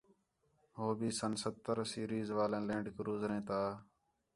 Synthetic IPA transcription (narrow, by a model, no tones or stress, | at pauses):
ɦoːbiːsənsət̪ːəɾsiːɾiːzʋaːlẽːlẽːɳɖkɾuːzɾẽːt̪aː